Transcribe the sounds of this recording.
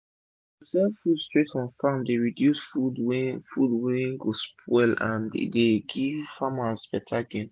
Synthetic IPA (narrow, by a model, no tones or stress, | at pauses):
sɛfudstɹetɔ̃nfamdeɹidjusfudwɛfudwɛ̃nɡospʰwɛlã̰n̰deɡivfamasbɛtʰaɡẽn